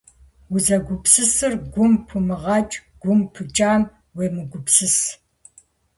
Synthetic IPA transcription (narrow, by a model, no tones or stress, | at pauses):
wʊzɐɡʷʊpsɨsɨrɡʷʊmpʰɨmɨʁɑːt͡ʃʼɡ̥ʷʊmpʰɨt͡ʃʼaːm | weːmɨɡʷʊpsɨs